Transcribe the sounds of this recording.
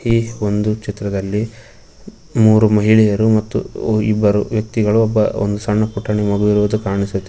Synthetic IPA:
io̞nd̪ut͡ʃit̪ɾɐd̪ɐlːi | muːɾumɐɦiɭɛjɐɾumɐt̪ːṵibːɐɾuʋjɐk̚t̪iɡɐɭuɔbːɐo̰nd̪usɐɳːɐpuʈʰːɐɳimɐɡuʋiɾuʋud̪ukaːɳisut̪ːe

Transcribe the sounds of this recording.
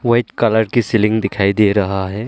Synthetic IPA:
ʋɐɪʈkɐləɾkisɪlɪ̃ŋɡd̪ɪkʰaːid̪eɾɐɦaɦɛː

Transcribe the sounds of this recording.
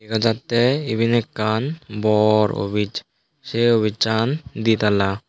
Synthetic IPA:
ikad͡ʒat̪ːeibʱinekːanbɔɾo̰bʱit͡ʃ | seobʱit͡ʃand̪it̪ala

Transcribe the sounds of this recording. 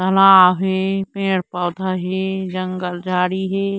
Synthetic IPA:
t̪ɐlaːɦeːpẽːɽpəːd̪ʱaɦeːd͡ʒə̃ŋɡəld͡ʒʱaːɽiɦeː

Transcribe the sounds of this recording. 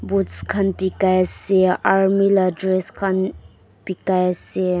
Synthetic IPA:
butskʰanpikajseaɾmiladɾeskʰan | pikajse

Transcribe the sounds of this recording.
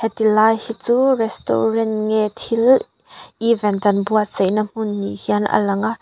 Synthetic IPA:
hɛt̪ilaːjhit͡suːrɛst̪o̰rɛntŋɛt̪ʰil | ʔivɛntɐnbuaʔt͡sejnəm̥unːḭhiɐna̰lɐŋaʔ

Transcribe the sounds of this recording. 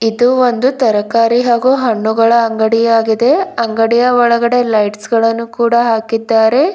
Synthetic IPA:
id̪uo̞nd̪ut̪ɐɾɐkaːɾiɦaːɡuɦɐɳːuɡɐɭɐːŋɡɐɽijaːɡid̪e̞ɐŋɡɐɽijɐɔɭɐɡɐɽe̞lɐjʈsɡɐɭɐnːukuːɽɐɦaːkid̪ːaːɾe̞

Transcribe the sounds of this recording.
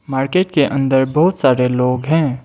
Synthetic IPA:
maːɾkeːʈkeʔɐ̃nd̪əɾbɐɦʊt̪saːɾeloːɡɦɛ̃ː

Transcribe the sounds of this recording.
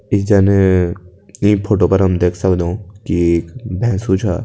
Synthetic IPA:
ɪsd͡ʒaːne | ĩpʰoːʈoːpɐɾɦɐmd̪eːkʰsɐkd̪õkieːkbʱɛ̃ːsut͡ʃʰaː

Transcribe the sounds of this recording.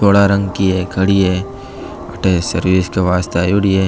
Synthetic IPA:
oːɽaɾɐ̃ŋɡkiɦeːkʰɐɽiɦeː | ɐʈesɐɾʋiːskaʋaːst̪ajuɽieː

